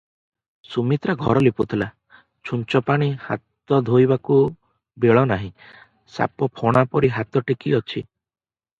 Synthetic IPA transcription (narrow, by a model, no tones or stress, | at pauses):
sumit̪ɾaɡʱɔɾɔliput̪ʰila | t͡ʃʰunt͡ʃɔpaɽ̃iha̰t̪ɔd̪ʱojbaku | beɭɔnaɦĩ | sa̰pɔpʰɔɽ̃apɔɾiɦat̪ɔʈikiɔt͡ʃʰi